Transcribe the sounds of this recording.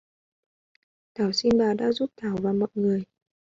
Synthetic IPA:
t̪ʰaː˨˩wsi˧nɓaː˨˩ɗa̰ː˧˥zu˦˥p̚t̪ʰaː˧˩˦wvaː˨˩mɔ̰˧˨jŋɨ˨˩əj

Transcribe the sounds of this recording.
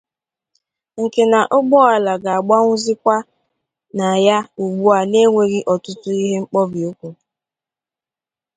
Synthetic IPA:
ŋ̩˨ke˨na˨ʔʊ˦ɡ͡bɔ˦a˨la˨ɡa˨a˨ɡ͡ba˦ŋʷʊ˦zi˦kʷa˦ | na˨ja˦u˨ɡ͡bu˦a˨ne˦ŋʷe˨ɣi˦ʔɔ˨tʊ˦tʊ˦i˦ɦe˦ŋ͡m̩˦k͡pɔ˦bi˨o˦kʷu˨

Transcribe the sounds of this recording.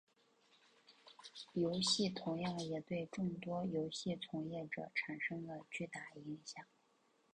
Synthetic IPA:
jo˧˥ʊɕi˥˩t̪ʰʊ˧˥ŋjɑ˥˩ŋjɛ˨˩t̪we˥˧ɪʈ͡ʂʊ˥˩ŋt̪wɔ˥jo˧˥ʊɕi˥˩t͡sʰʊ˧˥ŋjɛ˥˩ʈ͡ʂɤ̰˨˩ʈ͡ʂʰa˨˩nʂɤ˥ŋlə˨t͡ɕy˥˩˧t̪a˥˩i˧˥ŋɕjɑ˨˩˦ŋ

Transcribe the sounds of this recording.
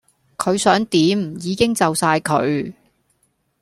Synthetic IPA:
kʰɵ˨˧ɥsœː˨˥ŋt̪iː˨˥m̩˨jiː˨˧kɪ˥ŋt͡sɐ˨wsaː˧jkʰɵ̰˨˧ɥ

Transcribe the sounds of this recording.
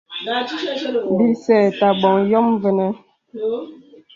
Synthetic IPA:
bi˦sɛː˨ta˨bɔ˨ŋjɔ˦mvə˨nɛ˦

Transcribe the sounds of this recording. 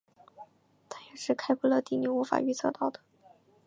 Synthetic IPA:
t̪ʰa˥˩jɛ˨˩ʂɻ̩˥˩˧kʰa˥ɪkʰu˥lɤ˥˧t̪i˥˩ni˧˩u˧˥fa̰˨˩y˥˧t͡sʰɤ̰˥˧t̪ɑ˥˩ʊd̪ə˩

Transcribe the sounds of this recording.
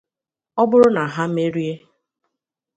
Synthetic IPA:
ɔ˦bʊ˦ɾʊ˦na˨ɦa˦m̩˦e˦ɾi˦e˦

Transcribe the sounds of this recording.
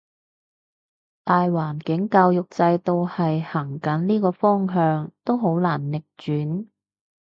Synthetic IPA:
t̪aː˨jwaː˨˩nkɪ˨˥ŋkaː˧wjʊ˨k̚t͡sɐ˧jt̪o˨˧whɐ˨jhaː˨˩ŋkɐ˨˥nliː˥kɔː˧fɔː˥ŋɦœː˧ŋt̪o˥wɦo˨˥wlaː˨˩nlɪ˨k̚t͡ʃyː˨˥n

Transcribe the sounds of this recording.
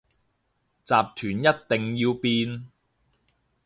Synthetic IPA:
t͡saː˨p̚t̪ʰyː˨˩njɐ˥t̚t̪ɪ˨ŋjiː˧wpiː˧n

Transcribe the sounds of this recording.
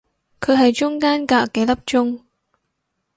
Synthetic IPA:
kʰəː˨˧˩ɦa˨˩jt͡ɕʊ˧ŋkaː˧nkaː˧˩ke˨˦lə˨˩p̚t͡ɕʊ˧ŋ

